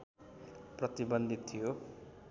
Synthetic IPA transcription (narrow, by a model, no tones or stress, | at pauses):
prʌt̪ibʌnd̪ʱit̪ʰːijo